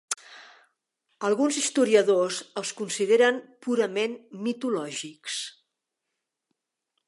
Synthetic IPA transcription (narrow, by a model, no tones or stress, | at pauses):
əlˠɣunzist̪uɾiəðozəlˠskunsið̞eɾəmpuɾəmenmit̪ulɔʒiks